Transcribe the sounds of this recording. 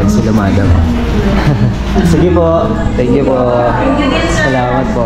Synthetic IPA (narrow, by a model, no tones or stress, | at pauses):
sɐlɐmaːd̪ɐm | sɪɡɪpoʔ | t̪ɛŋkjʊpoʔ | sɐlaːmɐt̪̚po